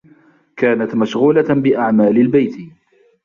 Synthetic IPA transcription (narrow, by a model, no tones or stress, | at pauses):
kaːnat̪maʃɣuːlabɪʔaʕmaːlɪlbajt̪